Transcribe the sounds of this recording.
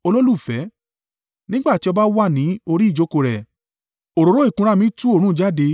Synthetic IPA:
o˧lo˦lu˦˨fɛ˨˦ | nĩ˦ɡ͡ba˦˨ti˨˦ɔ˧ba˦wa˦˨nĩ˨˦o˧ɾi˦˨d͡ʒo˨˦ko˧ɾɛ˨ | o˨ɾo˨ɾo˨˦i˦˨kũ˧ɾa˦mĩ˨˦tũ˦o˦˨ɾ̃ũ˦˨d͡ʒa˦˨de˧

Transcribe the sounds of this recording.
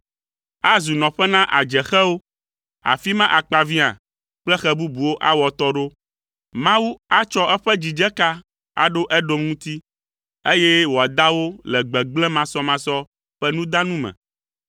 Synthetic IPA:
a˦zu˨nɔ̃˨ɸɛ˦nã˦ʔa˨d͡ʒɛ˨xɛ˦wo˦ | a̰˨fi˦mã˦ʔa˨k͡pa˨vi˦a̰˨ | k͡plɛ˦xɛ˦bu˦bu˨wo˦ʔa˦wɔ˨t̪ɔ˦ɖo˦ | mã˦wu˦a˦t͡ʃɔ˦ʔɛ˦ɸɛ˦d͡ʑi˨d͡ʒɛ˦ka˦ | a̰˨ɖo˦ʔɛ˦ɖo˦mŋũ˦t̪i˦ | e˦jɛ˦wo˨a˨d̪a˦wo˦lɛ˨ɡ͡bɛ˨ɡ͡blɛ̃˦mã˦sɔ˦mã˦sɔ˦ | ɸɛ˦nũ˦d̪ã˦nũ˦mɛ̰̃˨

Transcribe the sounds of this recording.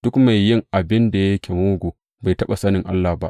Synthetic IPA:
d̥ʊ˦kma˨jːɪ˦ŋʔa˨bɪ˦nda˨jɐ˦kʲe˨moː˦ɡʷoː˨ | ba˨jtɐ˦ɓa˨sɐ˦nɪ˨ŋʔa˦lːa˨ba˦ʔ

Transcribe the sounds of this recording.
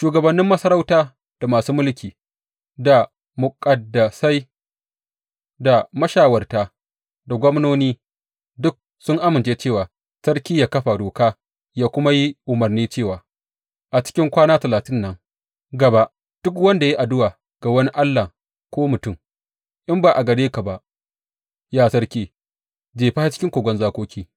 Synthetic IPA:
ʃuː˨ɡɐ˨bɐ˨nːɪ˦mːɐ˦sɐ˦ɾɐ˦wtaː˦ | d̥a˨maː˨suː˦mʊ˦lkʲiː˨ | da˨ | mʊ˨kʼɐ˨dːɐ˨sa˦j | da˨mɐ˦ʃaː˨wɐ˨rtaː˨ | da˨ɡʷɔ˦mnoː˦niː˦ | dʊ˦k̚ | sʊ˦ŋʔa˦mɪ˨nt͡ʃeː˦t͡ʃeː˦˨waː˨ | sɐ˦ɽkʲiː˦jaː˨kɐ˦ɸa˨doː˨kaː˦ | jaː˦kʷʊ˦ma˦ji˦ʔʊ˨mɐ˨rniː˦t͡ʃeː˦˨waː˨ | ʔa˨t͡ʃɪ̥˦kʲɪ˦ŋkʷaː˦naː˦tɐ˨laː˨tɪ˦nːɐ˦ŋ | ɡɐ˨ba˦ʔ | d̥ʊ˦k̬wɐ˦nda˨ji˦ʔa˨dʊ˦waː˨ | ɡ̥a˨wɐ˦ni˦ʔa˦lːaː˨ | kʷoː˦mʊ˨tʊ˦˨m | ʔɪ˦mbaː˨ʔa˨ɡɐ˨deː˦ka˨ba˨ʔ | jaː˦sɐ˦rkʲiː˦ | d͡ʒeː˨ɸa˦ha˦t͡ʃɪ˦kʲɪ˦ŋkʷoː˨ɡʷɔ˦nzaː˦kʷoː˦kʲiː˦

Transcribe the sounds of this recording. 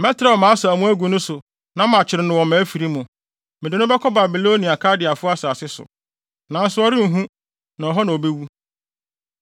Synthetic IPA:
mɛ˦tʰɪɾa˨mã˨˦sa˨mũ˦æ˦ɡu˨nʊ̃˦sʊ˨ | nã˦mã˨t͡ɕʰɪ˨ɾɪ˨˦nʊ̃˨wɔ̃˨mæ̃˨˦fi˨ɾi˦mʊ̃˨ | mɪ̃˨dɪ˨nʊ̃˦bɛ˦kʰɔ˦ba˨bi˨lo˦nĩ˨a˨kʰa˦dɪ˨a˨fʊ˦a˦saː˨sɪ˦sʊ̰˨ | nã˨˦n̩˦sʊ˨˦ɔ˦ɾɪ˦n̩˨ɦũ˦ | nã˨ɔ˨ɦɔ˦nã˨o˨be˦wu˦

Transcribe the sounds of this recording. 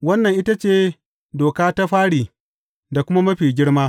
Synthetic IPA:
wɐ˦nːɐ˨ŋʔɪ˦ta˦t͡ʃeː˦ | doː˨kaː˦ta˦ɸaː˦ɽiː˨ | da˨kʷʊ˦ma˦mɐ˦ɸiː˨ɡʲɪ˦ɽmaː˦

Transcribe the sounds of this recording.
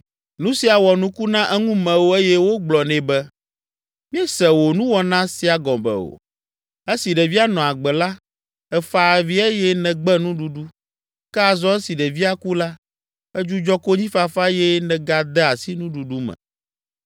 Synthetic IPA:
nũ˦si˨a˨wɔ˨nũ˦ku˦nã˦ʔɛ˦ŋũ˦mɛ̃˨wo˦e˦jɛ˦wo˦ɡ͡blɔ˨nɛ̃˨bɛ˦ | mĩ˦ɛ˦sɛ˨wo˨nũ˦wɔ˦nã˦si˨a˨ɡɔ̃˨bɛ̰˨o̰˨ | e˦si˨ɖɛ˨vi˦a˦nɔ̃˨a˨ɡ͡bɛ˨la˦ | ɛ˨fa˨vi˦e˦jɛ˦nɛ̃˨ɡ͡bɛ˦nũ˦ɖu˨˦ɖu˦ | kɛ˦a˨zɔ˦ɛ˦si˨ɖɛ˨vi˦a˦ku˦la˦ | ɛ˦d͡ʒu˦d͡ʒɔ˦ko˦ɲĩ˦fa˦fa˦jɛ˦nɛ̃˨ɡa˨d̪ɛ˦a˨si˦nũ˦ɖu˨ɖu˦mɛ̰̃˨

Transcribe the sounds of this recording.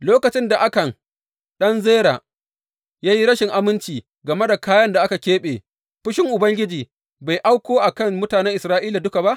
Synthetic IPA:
loː˦kɐ˨t͡ʃɪ˦nda˨ʔa˦kɐ˨ŋ | ɗɐ˦nzeː˦ɾaː˨ | jaː˦ji˦ɽɐ˦ʃɪ˨ŋʔa˦mɪ˦nt͡ʃiː˨ | ɡɐ˨me˦da˨kaː˦jɐ˦nda˨ʔa˦ka˨kʲeː˦ɓeː˨ | ɸʊ˦ʃɪ˦ŋʔʊ˨bɐ˦ŋɡʲɪ˦d͡ʒiː˨ | ba˨jʔa˦wkʷoː˦ʔa˨kɐ˦˨ŋmʊ˦taː˨nɛ˦ŋʔɪ˨sɾaː˦ʔiː˦la˨dʊ˦ka˨ba˦ʔ

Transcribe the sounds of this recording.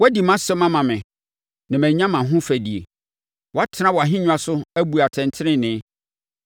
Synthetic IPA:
wdi˨mã˦sɛ̃˦mã˦mã˨mɪ̃˨ | nã˨mæ̃˨ɲ˦ã˦mã˨ɦʊ̃˦fæ˨di˨ḛ˨ | wɔ˨a˦tʰɪ˦nã˦wɔ˨a˨ɦɪ̃˦ɲᶣʊ̃˦a˨sʊ˦æ˦bu˨a˨tʰɛ̃˨ntʰɪ˦ɾɪ̃˦nɪ̃˦

